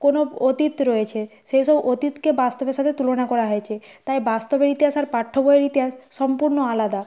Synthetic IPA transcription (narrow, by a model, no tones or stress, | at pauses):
konoot̪it̪ɾɔjet͡ɕʰeʃejʃɔbot̪it̪kebast̪obeɾʃat̪ʰet̪ulonakɔɾaɦɔet͡ɕʰe | t̪ajbast̪obeɾit̪iɦasaɾpaʈʰːoboeɾit̪iɦasːɔmpuɾnoalad̪a